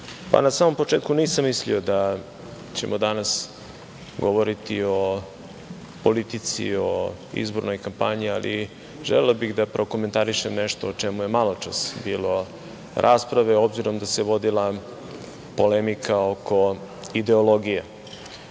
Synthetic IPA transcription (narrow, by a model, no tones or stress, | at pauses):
pa̰nasaːmo̞mpo̞t͡ʂeːt̪kuniːsamːislḭo̞d̪a | t͡ɕḛmʔod̪anas | ɡoʋoɾit̪io̞ | polit̪it̪sḭo | ḭzboɾno̞jkampaɲialʔḭ | ʒḛlelabiɣd̪apɾo̞koment̪aɾiʃemneʃt̪oːt͡ʂemujemalˠot͡ʂa̰sbiːlo̞ | ɾʔaspɾaʋeo̞bziɾo̞md̪ase̞ʋo̞d̪ila | po̞lemikʰaokʰo̞ | id̪e̞oloɡije